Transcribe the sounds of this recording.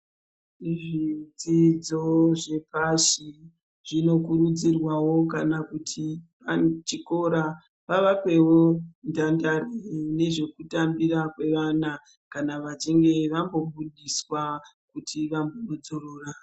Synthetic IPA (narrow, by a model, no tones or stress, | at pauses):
ʐid͡zid͡zo̞ʐe̞paʃi | ʐ̥ino̞kurud͡zirwawo̞kanakutʰipat͡ʃiko̞ɾa | ʋaʋakwe̞wo̞ndandarene̞ʐe̞kutambirakwe̞ʋana | kanaʋat͡ʃiŋɡe̞ʋambo̞buɗiswa | kutʰiʋambono̞d͡zoroːra